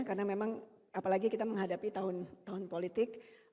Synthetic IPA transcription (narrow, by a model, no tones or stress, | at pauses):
karənamemaŋ | apalaɡikit̪aməŋɦadapit̪aɦʊnt̪aɦʊnpolit̪ɪk